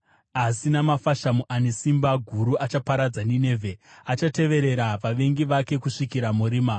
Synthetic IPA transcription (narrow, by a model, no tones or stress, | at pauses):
asinamafaʃamuʔanisimbaɡʱuɾuʔat͡ʃapaɾad͡zanine̞ːvʱe̞at͡ʃate̞ʋe̞ɾe̞ɾaʋaʋe̞ŋɡiʋake̞kuʂikiɾamuɾiːma